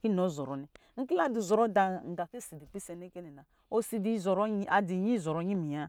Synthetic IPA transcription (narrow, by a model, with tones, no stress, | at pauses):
ki˦no˨˦zɔ˨ɾɔ˨nɛ˨ŋ̩˦ki˦la˦du˨zɔ˨ɾɔ˦da˨ŋ̩˨ɡa˨fe˦˨si˨di˨k͡pi˦sɛ˨ne˦ke˦nɛ˨na˨ | o˦si˨di˨˦zɔ˨ɾɔ˦a˨di˨ɲi˦˨zɔ˨ɾɔ˨˦ɲi˦mi˨ja˦